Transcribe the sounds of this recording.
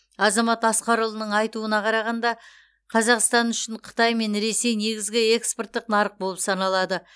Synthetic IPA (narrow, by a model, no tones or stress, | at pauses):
ɑzɑmɑt̪ɑsqɑɾulˠənəɴɑjt̪uənɑqʰɑɾɑʁɑnd̪ɑ | qʰɑzɑqst̪ɑnʏʃɪɴqʰə̥t̪ɑjme̞nɾe̞se̞jne̞ɡʲɪzɡʲɪe̞kspo̞rt̪ːɪqnɑɾəq̚bo̞lˠəpsɑnɑlˠɑd̪ə